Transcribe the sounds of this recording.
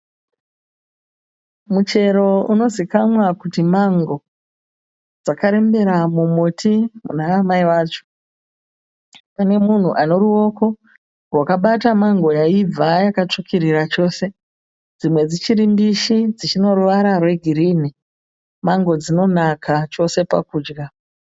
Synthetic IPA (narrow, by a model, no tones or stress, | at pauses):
mut͡ʃe̞ɾo̞uno̞zikamwakutimaŋɡo̞ | d͡zakaɾe̞mbe̞ɾamumotʰimṵnaːmaiwaːt͡ʃo̥ | pane̞mun̤uʔano̞ɾuo̞ːko̞ | wakaɓatamaŋɡo̞jaib͡vajakat͡ʂukʰiɾiɾat͡ʃo̞ːse̞ | d͡zimwe̞d͡zit͡ʃiɾimbiʃid͡zit͡ʃino̞ruʋaɾarwe̞ɡʱiɾini | maŋɡo̞d͡zino̞nakʰat͡ʃo̞se̞pa̰kuːd͡ʒɡa